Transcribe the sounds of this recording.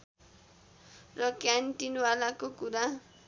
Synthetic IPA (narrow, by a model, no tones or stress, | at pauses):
rʌkjanʈinwalakokuɾa